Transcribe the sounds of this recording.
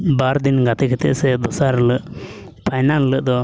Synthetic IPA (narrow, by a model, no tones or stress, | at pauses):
baɾd̪inɡat̪ɛkʰɛt̪ɛ̰ʔsɛd̪ɔsaɾləʔ | pʰajnanləʔd̪ɔ